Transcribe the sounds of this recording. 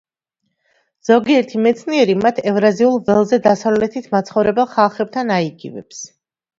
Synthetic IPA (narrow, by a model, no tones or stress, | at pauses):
z̥ɔɡiɛɾt̪ʰimɛt̪sʰniɛɾimat̪ʰɛvɾaziulˠvɛlˠzɛd̪asavlɛt̪ʰit̪ʰmat̪sʰχɔvɾɛbɛlˠχalˠχɛb̚t̪ʰanaiɡḭvɛ̰ps